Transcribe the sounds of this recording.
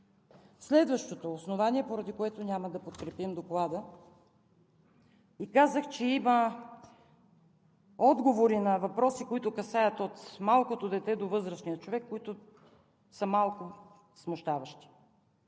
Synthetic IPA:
slɛd̪vəʃt̪ot̪oːsnovaniɛpoɾɐd̪ikoɛt̪onʲaməd̪ɐpot̪kɾɛpimd̪oklˠad̪ə | ikazəxt͡ʃɛimə | ɔd̪ɡovoɾinɐvɐpɾɔsikoit̪ʊkɐsajɐt̪ot̪malˠkot̪od̪ɛt̪ɛd̪ovɤzɾəʃnijət͡ʃovɛkːoit̪ʊ | səmalˠkʊ | smoʃt̪avɐʃt̪i̥

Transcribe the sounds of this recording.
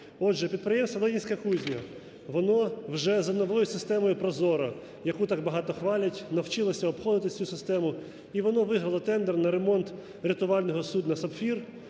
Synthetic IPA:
ɔdʒɛpʲid̪pɾɪjɛmst̪ʋɐd̪ˠɛdʲinʲsʲkɐkuzʲnʲɐ | ʋɔnɔwʒɛzɐnɔʋɔjʊsɪst̪ɛmɔjʊpɾɔzɔɾɐ | jɐkut̪ɑɡ̚bɐɦɑt̪ɔxʋɑlʲɐtʲnɐwt͡ʃɪlˠɐsʲɐɔpxɔd̪ɪt̪ɪt͡sʲusɪst̪ɛmʊ | iʋɔnɔʋɪɦɾɐlˠɐt̪ɛnd̪ɛrnɐɾemɔnt̪ | ɾʲɪt̪ʊʋɑlʲnɔɦɔsud̪nɐsɐpfʲir

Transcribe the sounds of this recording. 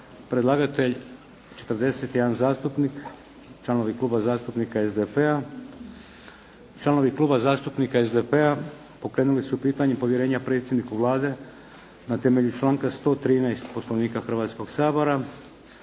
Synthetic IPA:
pɾed̪lˠaːɡat̪e̞ʎ | t͡ʃe̞̥t̪ɾd̪e̞se̞t̪jed̪anzaːst̪upnik | t͡ʃlˠano̞ʋiklˠuːbazaːst̪upnikaezd̪epea | t͡ʃlˠano̞ʋikluːbazaːst̪upnikaezd̪epea | po̞kɾeːnulisupiːt̪aɲempo̞ʋjeɾe̞ːɲapɾe̞t̪sʲjed̪nikuʋlˠaːd̪e̞ | nat̪emeʎut͡ʃlˠaːŋkast̪o̞ːt̪ɾiːnajst̪po̞sloʋniːkaxr̩ʋaːt̪sko̞ɡsaːbo̞ɾa

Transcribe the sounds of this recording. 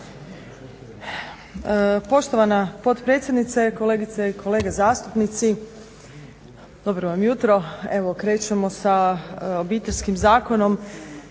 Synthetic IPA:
po̞ʃt̪o̞ʋanapo̞t̪pɾet̪sje̞d̪nit̪seko̞le̞ːɡit̪seikʰo̞leːɡazaːst̪upnit̪si | d̪o̞bɾoʋamjut̪ɾo̞eʋo̞kɾe̞ːt͡ʃemo̞saobiːt̪eʎʲskimzaːko̞no̞m

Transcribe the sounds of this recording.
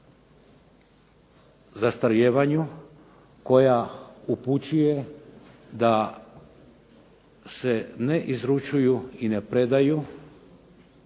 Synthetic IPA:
zast̪aɾjeːʋaɲu | ko̞jauput͡ɕuje̞ | d̪a | se̞neʔizɾut͡ʃujuine̞pɾe̞d̪aju

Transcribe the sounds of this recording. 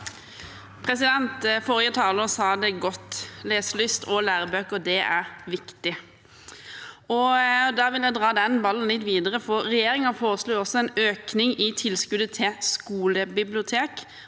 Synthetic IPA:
pʰʁɛsɪd̪ɛnt̪fɔʁjət̪ʰɑːləsɑːd̪ɛɡɔt̪ːleːslʏst̪ʰɔlæːɾəbøːkɔd̪ɛʔæɾʋɪkt̪ɪ | ɔd̪ɑʋɪljæɪd̪ʁɑːd̪ɛnbɑlːən̩lɪt̪ːʋiːd̪əɾəfɔɾɛjeːɾɪŋɑfoːʁəsluːɔsːɔɛnøːknɪŋɪt̪ʰɪlskʉd̪ət̪ʰɛskuːləbɪblɪʊt̪ʰeːk

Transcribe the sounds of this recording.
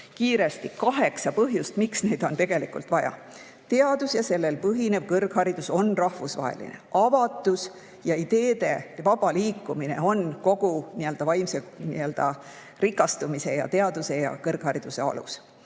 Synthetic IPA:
kiːɾe̞st̪ikɑɦe̞ksɑpɤɦjust̪miksne̞ːd̪̥o̞nt̪e̞ɡ̥e̞likult̪vɑjɑ̰ | t̪e̞ɑd̪̥usjɑse̞lːe̞lpɤɦine̞vkɤrɡ̥hɑɾid̪̥uso̞nrɑhvusvɑ̰ːḛlḭne̞̰ʔɑvɑt̪ːˑus | jɑid̪̥e̞ːd̪̥e̞vɑb̥ɑliːkːumine̞̰o̞nko̞ɡ̥uniøld̪̥ɑvɑjmsenḭø̞ld̪̥ɑ̰ | rikːˑɑst̪umise̞jɑ̰t̪e̞ɑd̪use̞jɑ̰kɤrɡ̥hɑɾid̪̥use̞̰ɑ̰lṵs

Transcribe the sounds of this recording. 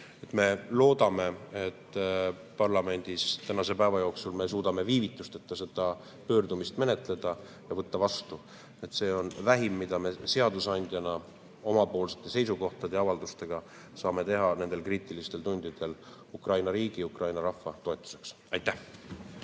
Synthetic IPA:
e̞t̪me̞lo̞ːd̪ɑme̞et̪ˑː | pɑrlɑme̞nʲd̪̥ist̪ænɑse̞pæevɑjo̞ːksulme̞suːd̪̥ɑme̞viːvit̪ːˑust̪et̪ːˑɑse̞d̪̥ɑ | pø̞ːrd̪umist̪me̞ne̞t̪ˑle̞d̪̥ɑ | jɑvɤt̪ːɑvɑst̪u | e̞t̪se̞ːo̞nvæɦimːid̪̥ɑme̞se̞ɑd̪̥usɑnʲd̪̥ʲjɑnɑ | o̞mɑpo̞ːlse̞̥t̪ːˑe̞se̞jsuko̞ht̪ɑd̪eɑvɑld̪ust̪e̞ɡ̥ɑ | sɑːme̞t̪e̞ɦɑne̞nd̪elkriːt̪ˑilist̪e̞lt̪unʲd̪̥id̪̥e̞l | ukrɑjnɑɾiːɡ̥iukrɑjnɑɾɑfːɑt̪o̞e̞t̪ːˑu̥se̞ks | ɑjt̪ːæh

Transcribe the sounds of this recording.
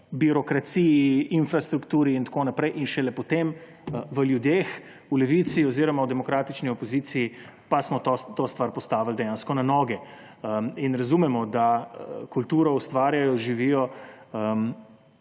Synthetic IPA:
biɾɔkɾat̪siːjiinfɾast̪ɾukt̪uːɾiːnt̪ḁkoːnapɾɛjʔinʃɛlɛpɔt̪em | ʋəljud̪jex | ulɛʋit̪siɔziːɾɔmawd̪ɛmɔkɾaːt̪it͡ʃniɔpɔziːt̪siː | pasmɔt̪ot̪ost̪ʋaɾpɔst̪aːʋald̪ɛjaːnskɔnanɔːɡɛ | əinɾazumɛmɔd̪akult̪uːɾɔust̪ʋaːɾjajɔʒiʋiːjɔəm

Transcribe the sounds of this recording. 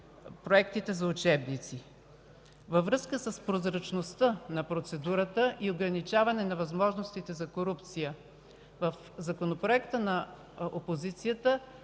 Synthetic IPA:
pɾoɛkt̪it̪ɛzɐʊt͡ʃɛbnit̪si | vəvɾɤskəsəspɾozɾɐt͡ʃnost̪ənɐpɾot̪sɛd̪uɾət̪əʔioɡɾɐnit͡ʃavɐnɛnɐvɐzmɔʒnost̪it̪ɛzɐkoɾupt̪sijə | vəf | zɐkonopɾoɛkt̪ənɐ | ʔopozit̪sijət̪ə

